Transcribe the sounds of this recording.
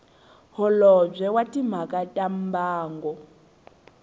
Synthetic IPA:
hɔlɔb͡ʐɛwatim̤akatʼam̩baːŋɡɔ

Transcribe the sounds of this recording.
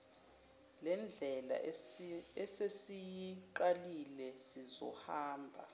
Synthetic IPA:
lɛnd͡ɮʱɛla̰ | ɛsesijiǃalilɛsizɔ̰haːmbʱa̰

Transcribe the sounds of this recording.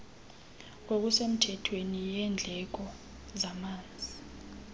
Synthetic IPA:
k̬ok̬usem̩tʰɛtʰwenijɛnd͡ɮʱɛk̬ɔ | zamaːnd͡zʱi

